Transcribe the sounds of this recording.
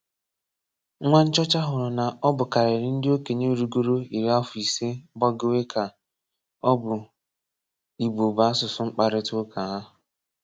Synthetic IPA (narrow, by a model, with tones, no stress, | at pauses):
ŋʷa˦n̩˦t͡ʃɔ˦t͡ʃa˦ɦʊ˨ɾʊ˨na˨ɔ˦bʊ˨ka˨ɾe˨ɾɪ˦n̩˦dɪ˦o˦ke˨ɲe˦o˦ɾu˦ɡo˦ɾo˦i˨ɾi˦a˦fʊ˨i˨se˦bɔ˦ɡɪ˦we˦kʰa˨ | ɔ˦bʊ˨ | i˨bo˨ba˦sʊ˨sʊ˦ŋ͡m̩˦k͡pa˨ɾɪ˦tʊ˦kʰa˨ɦa˦ɦʊ˨